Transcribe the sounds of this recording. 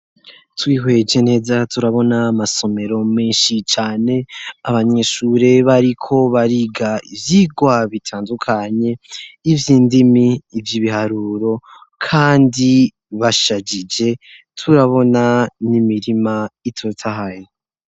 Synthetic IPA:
twiːɦwe̞d͡ʒe̞ne̞ːzatuɾaβo̞namaso̞me̞ɾo̞meːnʃit͡ʃaːne̞aβaɲe̞ʃuɾe̞βaɾikʰo̞βaɾiɡaivjiːɡwaβitʰaːndukʰaɲe̞ivjiːndimiːvjiβihaɾuːɾo̞kʰaːndi | βaʃad͡ʒid͡ʒe̞ | tʰuɾaβo̞nanimiɾimaitʰotʰaɦaje

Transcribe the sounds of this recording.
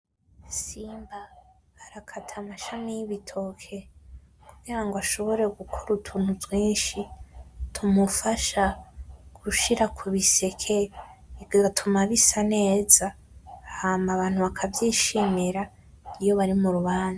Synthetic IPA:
siːmba | aɾakʰatʰamaʃamijiβitʰo̞kʰe̞ | kuɡiɾaŋɡoaʃo̞βo̞ɾe̞ɡukʰoɾutʰuːn̥huzɡwiːnʃitʰumufaʃaɡ̥uʃiɾakʰuβise̞kʰeiɡ̥aɡatʰumaβisane̞ːza | hamaβaːnhuβakʰavjiːʃimiɾa | ijo̞βaɾimuɾuβaːna

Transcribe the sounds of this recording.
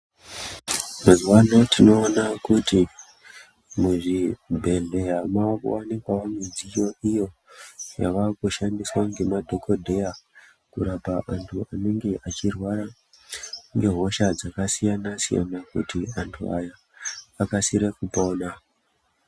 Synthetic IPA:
mazuwano̞tʰino̞ːnakuti | muʐibʱe̞ɮe̞ɦamakwanikwawamezijo̞ijo̞ja̰ʋakuʃandiswaŋɡe̞madʱo̞ko̞dʱeja | kuɾapaʔantʰuane̞ŋɡe̞ʔat͡ʃirwaɾa | ŋɡe̞ɦo̞ʃad͡zakasijanasija̰nakṵtiantʰṵajaː | kasiɾekupona

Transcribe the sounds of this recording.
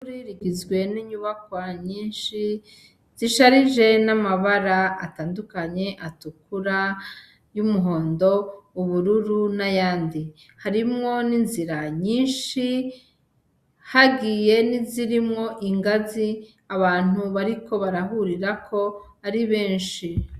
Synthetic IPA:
ɾiɾiɡizɡwe̞niɲuβakwaɲiːnʃi | z̥iʃaɾiʒe̞namaβaɾa̰ːtaːndukaɲe̞ʔatukuɾa | jumuɦoːndo̞uβuɾuɾunajaːndi | haɾimŋo̞ninziɾaɲiːnʃi | haɡiːje̞niziɾimŋo̞ʔiŋɡazi | aβaːn̥uβaɾiko̞βaɾaɦuɾiɾakʰo̞ | aɾiβe̞ːnʃi

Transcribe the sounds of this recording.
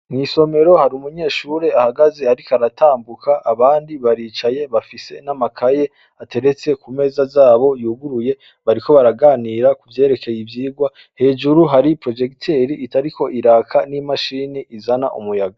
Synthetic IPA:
ŋiːso̞me̞ɾo̞haɾiumuɲe̞ːʃuːɾe̞ahaɡaze̞aɾikaɾatʰaːmbukʰaʔaβaːndiβaɾiːt͡ʃaje̞βafise̞namakʰaje̞ | ate̞ɾet͡se̞kume̞ːzazaːβo̞juːɡuɾuje̞ | βaɾiko̞βaɾaɡaːniɾakuvje̞ːɾe̞kʰe̞jivjiːɡwa | he̞ːd͡ʒuɾuɦaɾipɾo̞d͡ʒe̞ktʰeɾiʔːtaɾikʰo̞ʔiɾaːkʰanimaʃiːniʔizana̰ʔumujaɡa

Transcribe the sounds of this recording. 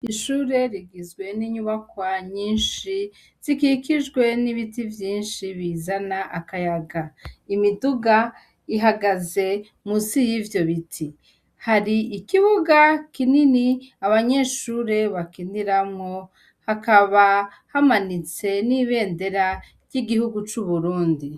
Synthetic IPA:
iʃuːɾe̞ɾiɡizɡwe̞niɲuβakwaɲiːnʃi | z̥ikikiʒɡwe̞niβitivjiːnʃiβiːzanaʔakajaɡaimiduɡa | iɦaɡaze̞ | musijivjo̞βitʰi | haɾiikiβuɡakininiaβaɲe̞ʃuːɾe̞βakindiɾamŋo̞ | hakaβa | hamanit͡se̞niːβe̞ːnde̞ɾa | ɾjiɡihuɡut͡ʃuβuɾuːndi

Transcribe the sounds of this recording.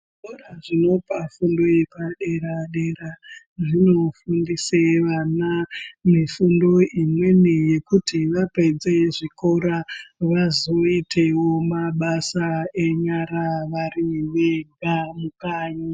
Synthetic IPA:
koraʐino̞pafundo̞epaɗe̞ɾaɗe̞ɾa | ʐino̞fundiseʋanamifundo̞imwe̞nije̞kutiʋape̞d͡zeʐiko̞ɾaʋazo̞itʰe̞wo̞maɓasaeɲaɾaʋariʋeŋɡamukaːɲo

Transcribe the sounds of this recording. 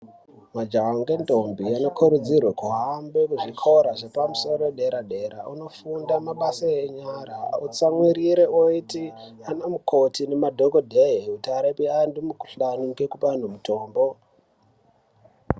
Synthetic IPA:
mad͡ʒaaŋɡendʱo̞mbiano̞kʰuɾud͡zirwakuɦambekuʐikʰoɾaʐe̞pamuso̞roɗe̞ɾaɗe̞ɾa̰uno̞fundamaɓasaeɲaɾaut͡samwiɾiɾeoitianamukʰotinemadʱokodʱeɦeutaɾepiandumuku̥ɬanuke̞kupan̤umutʰo̞ːmbo̞

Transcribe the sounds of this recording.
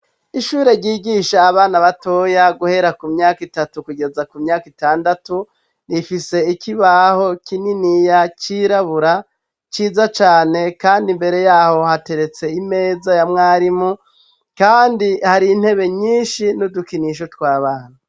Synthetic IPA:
iʃuːɾe̞ɾɟiːɡiʃaːβaːnaβato̞ːjaɡuhe̞ɾakumɲaːkitatukuɡe̞zakumɲaːkitaːndatu | nifise̞ikiβaho̞kininijat͡ʃiɾaβuɾa | t͡ʃiːzat͡ʃaːne̞kaːndimbe̞ɾe̞jaːho̞hate̞ɾe̞t͡se̞ime̞ːzajamŋaːɾimu | kaːndihaɾiːn̥he̞βe̞ɲiːnʃinudukiniʃ̬otwaːβaːna

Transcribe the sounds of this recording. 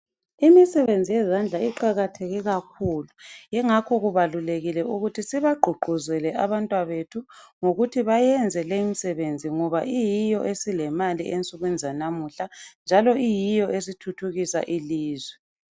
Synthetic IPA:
imisɛβend͡zʱijɛzand͡ɮʱaiǃaɣatʰeɣiɣakʰuːlujɛŋakʰɔɣuβaluleɣilɛʔuɣutʰisiβaɡ͡ǃʱuɡ͡ǃʱuzɛlɛʔaβantʼwaβetʰuŋoɣutʰiβajɛnd͡zʱɛlemisɛβend͡zʱiŋɔβaʔijijɔʔesilɛmalḭʔent͡sʼuɣɛnd͡zʱanamuɬand͡ʒʱalɔʔijijɔʔesitʰutʰuɣisa̰ʔiliːzwɛ

